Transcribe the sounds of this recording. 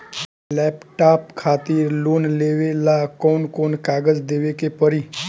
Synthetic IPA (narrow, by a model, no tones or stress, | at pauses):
lɛːpʈaːpkʰaːt̪iɾloːnleʋelakoːnkoːnkaːɡəd͡ʒd̪eʋekepəɾiː